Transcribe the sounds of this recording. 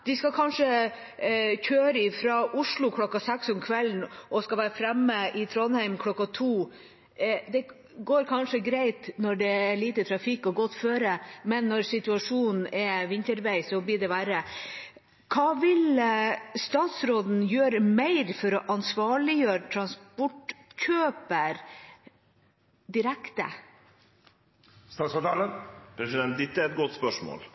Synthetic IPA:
d̪̥ɪskɑkʰɑnʂə | çʰøːɾəɪfɾɑʔʊʂɭʊkʰlɔkːɑsɛksɔmkʰʋɛlnʔɔskɑʋæːɾfɾɛmːəɪt̪ʰɾɔnhæɪmkʰlɔkːɑt̪ʰuː | d̪ɛ | ɡoːɾkʰɑnʂəɡɾæɪt̪nɔɖɛæɭiːt̪ət̪ʰɾɑfɪkːɔɡɔt̪ːføːɾəmɛnːɔɾsɪt̪ʉɑʂuːnn̩n̩ɛʋɪnt̪əɾʋæɪsɔblɪɖɛʋæɾə | kʰɑːʋɪl | st̪ɑːt̪sɾoːd̪n̩jøːɾəmæɪɾfɔɾɔʔɑnsʋɑːɭɪjøːɾət̪ʰɾɑnspɔʈkʰøːpəɾ | d̪ɪɾækt̪ə̰ | st̪ɑːst̪ɑləpʰɾɛsɪd̪ɛnt̪̚d̪ɪt̪ːəæɾɛt̪̚ɡɔt̪spœʂmo̰ːl

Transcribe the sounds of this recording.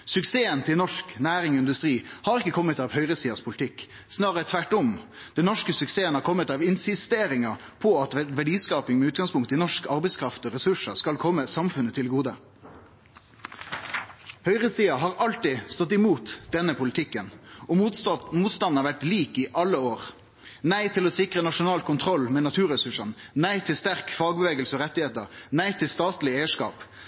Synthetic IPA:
sʉkseːənt̪ʰɪlnɔʂknæːɾɪŋɪnd̪ʉst̪ʁiːhɑɾʁɪkːəkʰɔmːət̪ɑʋhœʏʁəsiːɑspʰʊlɪt̪ʰɪkː | snɑːʁət̪ʰʋæʈɔmd̪̥ɛnɔʂkəsʉkseːənhɑːɾkʰɔmːət̪ɑʋɪnsɪst̪eːɾɪŋɑ | pʰɔɑt̪ʋæɖiːskɑːpɪŋmɛʉːt̪ɡɑŋspʊŋkt̪əɪnɔʂkɑʁbɛɪskʰɾɑft̪ɔʁɛsʉʂəskɑlkʰɔmːəsɑmfʉnːət̪ʰɪlɡuːd̪ə | hœʏʁəsiːɑɦɑːʁɑlt̪ɪst̪ɔt̪̬ːɪmuːt̪d̪ɛnːəpʊlɪt̪ʰɪkːənɔmuːt̪st̪ɑn̩ɑʁʋæʈliːkɪʔɑlːəoːʁ | næɪt̪ʰɪlɔsɪkʁənɑʂʊnɑːlkʰʊnt̪ʰʁɔlːmɛːnɑt̪ʰʉːʁɛsʉʂənnæɪt̪ʰɪlst̪æʁkfɑːɡbəʋeːɡəlsəɔʁɛt̪ːɪheːt̪əʁnæɪt̪ʰɪlst̪ɑːt̪lɪeːəʂkɑ̰ːp

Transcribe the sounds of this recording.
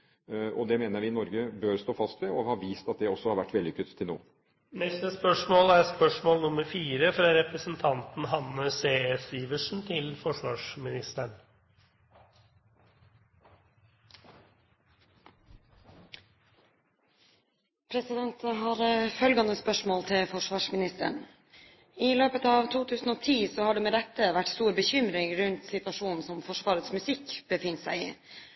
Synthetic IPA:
ʔɔd̪ɛmeːnəɾʋɪnɔɾɡəbøːɾst̪oːfɑst̪ʋɛɔhɑɾʋiːst̪ɑt̪̚d̪ɛɔsːɔhɑɾʋæʈːʋɛld̪ɪkət̪ʰːɪlno̰ː | nɛst̪əspœʂmoːlæɾspœʂmoːlnʊməɾfiːɾəfɾɑɾɛpɾəsən̩t̪ʰɑnt̪n̩ɦɑnːəseːsiːʋəʂn̩t̪ʰɪlfɔʂʋɑːʂmɪnɪst̪əɳ | pʰɾɛsɪd̪ɛnt̪ɦɑːɾfœlɡɑnəspœʂmoːlt̪ʰɪlfɔʂʋɑːʂmɪnɪst̪ə̰ɳ | ɪløːpət̪ɑːʋt̪ʰuːt̪ʰʉːsn̩oːt̪ʰiːsoːhɑːɖeːmeːd̪ɛt̪əʋæʈst̪uːɾbəçʏmɾɪŋɾʉnt̪sɪt̪ʋɑʂuːnn̩sɔmfɔʂʋɑːɾət̪smʉsɪkb̥əfɪnsæɪḭː

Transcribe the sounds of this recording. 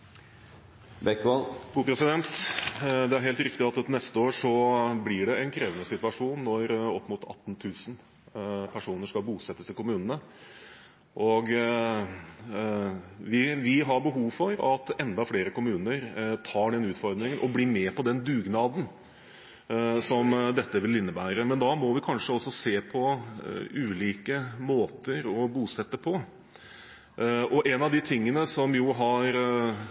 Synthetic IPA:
bɛkːʋɑlbuːpʰɾɛsɪd̪ɛnt̪ | d̪ɛæɾɦeːlt̪ɾɪkt̪ɪɑt̪nɛst̪əoːɾʂɔblɪɖɛɛnkʰɾeːʋənəsɪt̪ʉɑʂuːnːɔɾɔpːmut̪ʰɑ̰t̪ːnt̪ʰʉːsn | pʰæʂuːnəʂkɑlbuːsɛt̪ːəst̪ɪlkʊmʉːnən̩ə | ʔɔɡ | ʋɪʋɪɦɑɾbəɦuːʋfɔɾɑt̪ɛnd̪ɑfɽeːɾəkʊmʉːnəɾt̪ʰɑːɖɛnʉːt̪fɔɾd̪ɾɪŋənʔɔbliːmeːpɔd̪ɛnd̪ʉːɡnɑːd̪n̩ | sɔmd̪ɛt̪ːəʋɪlɪnːəbæːɾəmɛnd̪ɑmɔʋɪkʰɑnʂəɔsːɔseːpʰɔ | ʉːliːkəmoːt̪əɾɔbuːsɛt̪ːəpʰɔ | ʔɔʔɛnɑʋd̪ɪt̪ʰɪŋːənəsɔmjuːɦɑɾ

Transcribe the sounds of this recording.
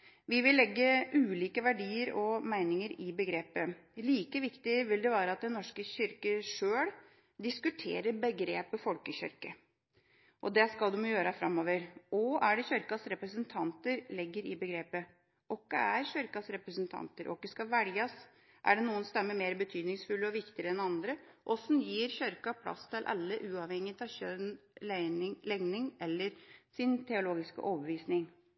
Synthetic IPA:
ʋɪʋɪlːɛɡːəʔʉːliːkəʋæɖiːəɾɔmæɪnɪŋəɾɪbəɡɾeːpəliːkəʋɪkt̪ɪʋɪld̪ɛʋɑːɾəɑt̪̚d̪ɛnːɔʂkəçʏɾkəʂøːɽ | d̪ɪskʉt̪ʰḛːɾəɾbəɡɾeːpəfɔlkəçʏ̰ɾkə | ʔɔd̪ɛskɑlˠd̪ɛmjʊjøːɾəfɾɑmːoːʋəɾɔæɖɛçœɾkɑsɾɛpɾəsənt̪ʰɑnt̪əɾlɪɡːəɾɪbəɡɾeːpə | ʔɔkːəæɾçœɾkɑsɾɛpɾəsənt̪ʰɑ̰nt̪əɾʔɔ̰kːəskɑʋæɽjɑs | ʔæ̰ɖɛnuːənst̪ɛmːəmeːɾbət̪ʰyːd̪nɪŋsfʉlːəɔʋɪkt̪ɪəɾəɛnɑnd̪ɾəʔɔsɔnjiːɾçœɾkɑpʰlɑ̰st̪ʰɪlʔɑ̰lːəʔʉːɑʋhɛŋːət̪ɑçœn | lɛŋnɪŋɛlːəɾsɪnt̪ʰɛʊloːɡɪskə̰ʔɔːbəʋiːsnɪŋ

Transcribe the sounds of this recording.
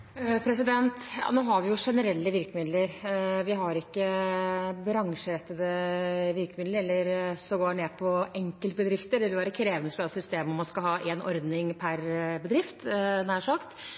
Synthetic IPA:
pʰɾɛsɪd̪ɛnt̪jɑ̰ːnoːɦɑɾʋɪjʊʂɛnəɾɛlːəʋɪɾkəmɪd̪ləɾʋɪɦɑɾɪkːə | bɾɑŋʂəɾɛt̪ːəd̪əʋɪɾkəmɪd̪ləɾɛlːəɾsɔɡoːneːpʰɔɛŋkəlt̪bəd̪ɾɪft̪əd̪ɛʋɪlʋæːɾəkʰɾeːʋənəsplɑsʏst̪eːməɔmːɑnskɑlɦɑːʔeːnɔ̰ɾd̪nɪŋpʰæɾbəd̪ɾɪft̪næːʂɑkt̪

